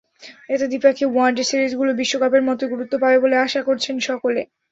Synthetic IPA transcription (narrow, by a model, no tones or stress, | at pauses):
et̪ed̪ipakʰiwanɖesiɾid͡ʑɡulobiʃːokapeɾmɔt̪oɡuɾut̪ːopabeboleaʃakoɾt͡ɕʰenʃɔkole